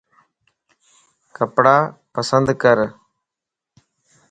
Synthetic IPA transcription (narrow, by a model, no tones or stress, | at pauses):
kəpɽaːpəsənd̪kəɾ